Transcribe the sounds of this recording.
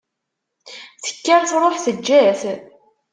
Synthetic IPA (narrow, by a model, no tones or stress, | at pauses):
θə̥kːæɾθɾˤoħθəd͡ʒːæθ